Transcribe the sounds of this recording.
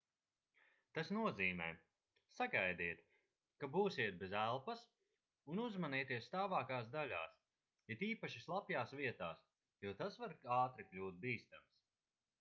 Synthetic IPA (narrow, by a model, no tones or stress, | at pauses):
t̪asnuɔziːmɛ̰ː | saɡajd̪iːt̪ | kabuːsiɛt̪̚bɛzælˠpas | unuzmaniːt̪iɛst̪aːvaːkaːsd̪alʲa̰ːs | jɛt̪iːpaʃislˠapjaːsviɛt̪aːs | juɔt̪asvaɾaːt̪ɾiklʲuːt̪̚biːst̪ams